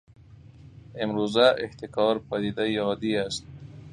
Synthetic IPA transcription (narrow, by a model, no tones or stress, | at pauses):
ɪmɾozaʔɪht̪ɪkɑɾpad̪id̪ajɒd̪iast̪̚